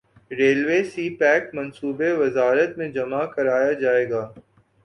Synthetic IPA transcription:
ɾeːlʋeːsiːpɛːkmɐ̃nsuːbeʋɐzaːɾət̪mẽd͡ʒɐmakɐɾaːjad͡ʒaːeːɡaː

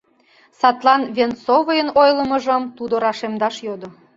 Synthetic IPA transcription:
sɑt̪lɑnvʲensovəjənojlə̆mə̆ʒə̆mt̪ud̪oɾɑʃemd̪ɑʃjod̪o

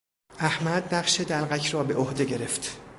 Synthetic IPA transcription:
ʔæhmæd̪næɢʃed̪ælɣæcʰrɒːbe̞ʔohd̪eɟe̞ɾe̞ft̪

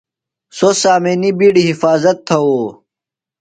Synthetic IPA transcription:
sosaːmenibiːɽiɦifaːzɐt̪ʰːɐoː

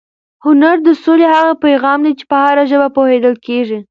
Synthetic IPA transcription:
hʊnaɾd̪əsolehaɣapajɣɑmd̪at͡ʃe̥pəhaɾaʒəbapohed̪əlkeʐi

